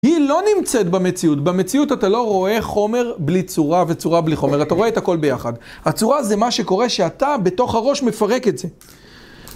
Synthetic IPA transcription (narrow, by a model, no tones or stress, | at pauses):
hilo̞nimt͡setbamet͡siutbame̞t͡siutatalo̞ʁo̞e̞χo̞me̞ʁblit͡suʁave̞t͡suʁabliχo̞meʁataʁo̞etako̞lbejaχadhat͡suʁaze̞maʃe̞ko̞ʁe̞ʃeatabe̞to̞χhaʁo̞ʃme̞faʁe̞ketze̞